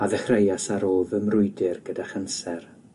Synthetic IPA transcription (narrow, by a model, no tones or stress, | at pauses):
aðəχrejasaɾoːðəmrʊɨdɪrɡ̥ədaχənsɛr